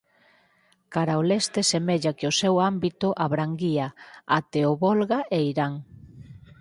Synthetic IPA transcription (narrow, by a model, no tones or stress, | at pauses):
kaɾaolest̪esemeʎakɪosewambit̪ʊʔaβɾaŋɡiaat̪eoβolɣaʔeiɾaŋ